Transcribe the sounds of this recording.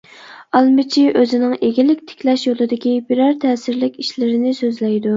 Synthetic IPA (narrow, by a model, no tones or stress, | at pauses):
ɑlˠmɪt͡ʃʰiʔøzɪnɪŋeɡʲilɪkʲt̪ʰɪ̥kʲlɛʃjolˠɨd̪ɪkʲibiɾɑɾt̪ʰɛːsɪɾlɪkʲiʃlɪɾɪnɪsøzlɛjd̪u